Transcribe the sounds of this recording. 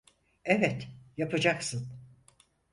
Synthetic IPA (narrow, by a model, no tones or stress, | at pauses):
evɛt̪japʰad͡ʒaksɯn